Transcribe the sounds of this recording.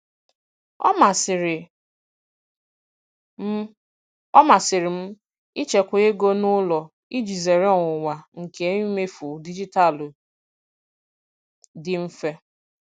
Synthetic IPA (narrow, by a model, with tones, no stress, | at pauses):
ɔ˦ma˨sɪ˨ɾɪ˨˦ | ɔ˦ma˨sɪ˨ɾɪ˨m̩˦ | i˦t͡ʃe˨kʷʊ˨˦e˦ɡo˦nʊ˦lɔ˨ | i˦d͡ʒi˨ze˨ɾɪ˦ɔ˨ŋʷʊ˨wa˨ŋ̩˨ke˨˦i˦me˦fu˨di˦d͡ʒi˦ta˨l | dɪ˨m̩˦fe˦